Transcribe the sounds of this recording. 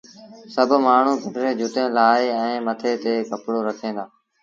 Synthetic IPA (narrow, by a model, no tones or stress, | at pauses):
səbʱmaːɳ̤ũːpəʈɾeːd͡ʒʱʊt̪ẽːlaːeːɛ̃ːmət̪ʰeːt̪eːkəpɽoːɾəkʰẽːnd̪aː